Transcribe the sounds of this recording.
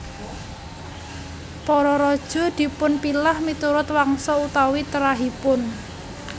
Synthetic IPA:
pɔɾɔɾɔd̥ʒ̥ɔ̤d̪̥i̤pʊnpilahmit̪uɾʊt̪waŋsɔut̪awit̪əɾaɦipʊn

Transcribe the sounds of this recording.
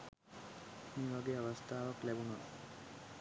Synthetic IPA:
niʋɐɡeɐʋɐst̪ʰaːʋɐklɛbuna

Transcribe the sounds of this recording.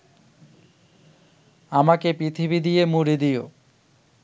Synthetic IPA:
amakepɾit̪ʰibid̪ijemuɾid̪ijo

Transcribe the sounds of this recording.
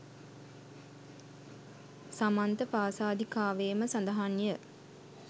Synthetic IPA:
samant̪əpaːsaːd̪ʱikaːʋeːməsand̪əɦanjə

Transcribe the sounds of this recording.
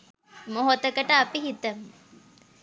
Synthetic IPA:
moɦot̪əkəʈəapiɦit̪əmə

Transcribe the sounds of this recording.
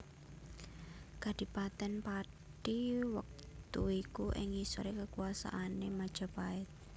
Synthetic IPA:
ɡ̥a̤d̪̥i̤pat̪ɛnpa | ɖiwə̰k̚ | t̪uikuʔɪ̰ŋisoɾekəkuasa̰ʔanemad̥ʒ̥a̤paɪt̪̚

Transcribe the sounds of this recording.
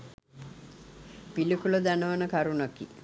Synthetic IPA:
pilikuləd̪ænəʋanəkaɾunakḭ

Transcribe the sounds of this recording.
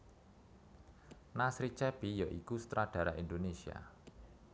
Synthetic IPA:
nasɾit͡ʃɛb̥ijɔʔikust̪ɾad̪̥a̤ɾaʔind̪onesia̰

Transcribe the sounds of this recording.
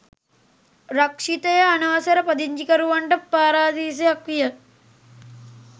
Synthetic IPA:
ɾɐkʂit̪ɐjɐɐnɐʋɐsɐɾɐpɐd̪iɲd͡ʒikɐɾuʋɐɳʈɐpːaːɾaːd̪iːs̬eɐkʋijɐ

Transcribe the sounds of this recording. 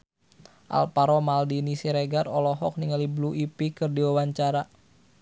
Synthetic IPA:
ʔa̰lpaɾɔmaldinisiɾeɡarɔlɔɦɔk̚niŋalibluʔipikɨrdiwawaɲt͡ʃaɾa

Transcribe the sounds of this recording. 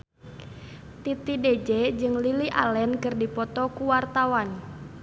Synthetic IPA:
t̪it̪ided͡ʒɛd͡ʒɨŋliliʔa̰lɛnkɨrdipɔt̪ɔkuwart̪awan

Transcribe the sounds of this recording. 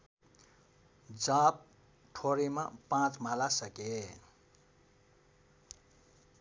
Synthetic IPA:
d͡zap̚ | ʈʰoɾima̰pãt͡smalasʌke

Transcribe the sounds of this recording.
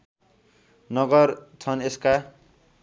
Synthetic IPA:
nʌɡʌrt͡sʰʌneska

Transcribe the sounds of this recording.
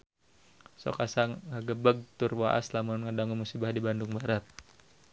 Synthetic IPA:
sɔ̰kasaŋːaɡəbəɡ̚t̪ʊrwa̰ʔa̰slamʊnŋədaŋumusibahdibandʊŋbaɾat̪̚

